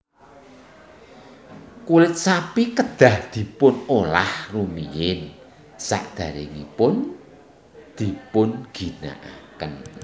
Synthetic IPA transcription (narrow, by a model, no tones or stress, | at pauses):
kulɪt̪̚sapikəd̪̥a̤hd̪̥i̤pʊnolahrumijɪn | sa̰ʔd̪̥a̤ɾḛŋḭpʊn | d̪̥i̤pʊnɡ̥i̤na̰ʔa̰kən